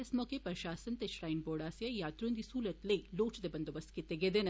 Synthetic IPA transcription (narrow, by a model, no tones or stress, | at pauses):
ɐsmokepɾɐʃaːsɐnt̪eʃɾaːjnboːɽaːsjɐjaːt̪ɾond̪isuːlɐt̪lɐjloːt͡ʃɐd̪ebɐnd̪ɐʋɐsket̪eɡed̪enɐ